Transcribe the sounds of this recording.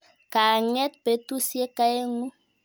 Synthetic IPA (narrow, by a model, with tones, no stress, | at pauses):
ka˨ŋɛ˦t̪be˨t̪u˦sje˦ka˦e˦ŋu˦